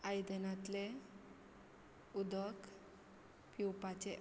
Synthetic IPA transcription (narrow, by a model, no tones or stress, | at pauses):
ajd̪enat̪le | ud̪ək | piwpat͡ɕe